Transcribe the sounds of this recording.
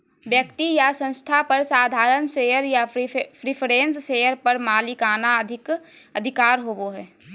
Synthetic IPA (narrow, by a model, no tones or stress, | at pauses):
bjəkt̪ijasə̃nst̪ʰapɐɾsaːd̪ʱaːɾənʃeːjəɾjapʰɾɪpʰɾẽːnsʃeːjəɾpɐɾmaːlɪkaːnaɐd̪ʱɪk | ɐd̪ʱɪkaːɾɦoːboɦɛː